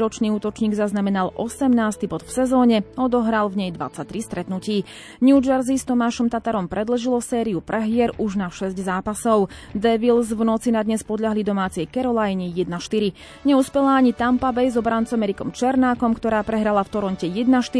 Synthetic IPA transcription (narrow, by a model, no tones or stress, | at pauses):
ɾɔt͡ʃniːuːt̪ɔt͡ʃɲiːɡzaznamɛnalʔɔsɛmnaːst̪ibɔt̪fsɛzɔːɲɛɔd̪ɔɦɾalvɲɛjd̪ʋa̰t͡sːat̪ɾist̪ɾɛt̪nuciː | nud͡ʒɛɾzist̪ɔmaːʃɔmt̪at̪aɾɔmpɾɛd̪l̩ʒilɔsɛːɾiupɾʔɛɦɪɛɾuʒnaʃɛzɟzaːpasɔʊd̪ɛʋilzvnɔt͡sinad̪ɲɛspɔd̪ʎaɦlid̪ɔmaːt͡sɪɛjkɛɾɔlajɲijɛd̪̚naʃt̪iɾi | ɲɛuspɛlaːɲit̪ampabɛjzɔbɾant͡samɛɾikɔmt͡ʃɛɾnaːkɔmkt̪ɔɾaːpɾɛɦɾalaft̪ɔɾɔncɛjɛd̪̚naʃt̪i